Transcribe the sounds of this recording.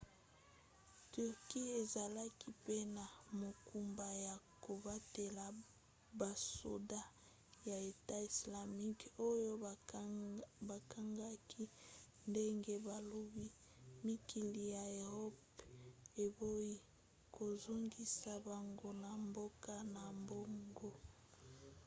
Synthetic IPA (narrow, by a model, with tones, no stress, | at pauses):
ty˨ʁki˦e˨za˨la˦ki˦pe˦na˨mo˨ku˨mba˨ja˨ko˨ba˦te˨la˨ | ba˨so̰˨da˦ | ja˨e˨ta˦i˨sla˨mi˦ko˦jo˦ | ba˨ka˦ŋɡa˦ki˦ | nde˦ŋɡe˦ba˨lo˦bi˦ | mi˦ki˨li˨ja˨e˨ʁɔ˦p | e˨bo˦i˦ | ko˨zo˦ŋɡi˦sa˨ba˨ŋɡo˦na˨mbo˦ka˦na˨mbo˦ŋɡo˦